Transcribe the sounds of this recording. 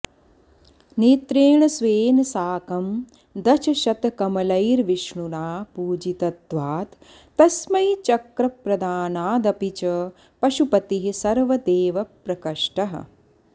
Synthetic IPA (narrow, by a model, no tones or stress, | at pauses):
niːt̪ɾeːɳɐsʋeːnɐsaːkɐm | d̪ɐt͡ʃʰɐʃɐt̪kɐmɐlɐjɾʋiʃɳunaːpuːd͡ʒit̪ɐt̪ʋaːt̪ | t̪ːɐsmɐjt͡ʃɐkɾɐpɾɐd̪aːnaːd̪ɐpit͡ʃɐ | pɐʃupɐt̪iɦisɐɾʋɐd̪eːʋɐpɾɐkɐʂʈɐɦɐ̰̆